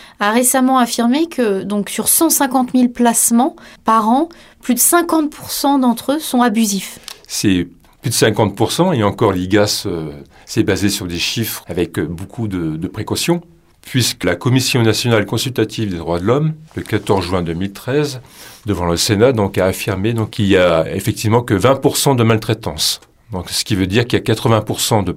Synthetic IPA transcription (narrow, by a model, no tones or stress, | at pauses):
aʁesamɑ̃afiʁmekʰəd̪ɔ̃ksyʁsɑ̃sɛ̃kɑ̃t̪milplasmɑ̃paʁɑ̃ | plyd̪əsɛ̃kɑ̃t̪̚pʰuʁsɑ̃d̪ɑ̃t̪χøsɔ̃abyzifsɛ | plyd̪əsɛ̃kɑ̃t̪̚puʁsɑ̃eɑ̃kɔʁliɡasø | sɛbazesyʁd̪eʃifχavɛkbokʰud̪əd̪əpχekɔsjɔ̃ | pɥiskəlakɔmisjɔ̃nasjɔnalkɔ̃sylt̪at̪ʰivd̪ed̪ʁwad̪əlɔmləkat̪ɔʁzʒɛ̃d̪ømilt̪χɛzd̪əvɑ̃ləsenad̪ɔ̃kaːfiʁmed̪ɔ̃kkilijaḛfɛk̚t̪ivmɑ̃kəvɛ̃puʁsɑ̃d̪əmalt̪χɛt̪ɑ̃s | d̪ɔ̃ksə̥kʲivød̪iʁkiljakat̪χəvɛ̃puʁsɑ̃d̪ə